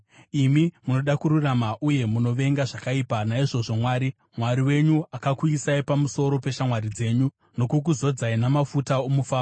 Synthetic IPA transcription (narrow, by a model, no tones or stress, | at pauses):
imimuno̞ɗakuɾuramaʔuje̞muno̞ʋe̞ŋɡaʐakaipanaiʐo̞ʐo̞mwaːɾi | mwaɾiwe̞ɲuakakuisaipamuso̞ɾo̞pe̞ʃamwaɾid͡ze̞ːɲu | no̞kuk̬uzo̞d͡zainamafutaomufaːr